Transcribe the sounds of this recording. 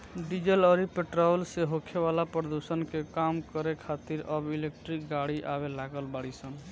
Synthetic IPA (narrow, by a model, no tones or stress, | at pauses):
ɖid͡ʒələɾipeʈɾɔlseɦokʰeβalapɾəd̪usənkekamkəɾekʰat̪iɾəbilek̚ʈɾikɡaɽiʔabelaɡəlbaɽisən